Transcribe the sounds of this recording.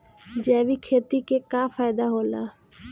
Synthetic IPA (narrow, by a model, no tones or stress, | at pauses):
d͡ʒɛːʋikʰeːt̪ikekaːfʰaːɪd̪aɦoːlaː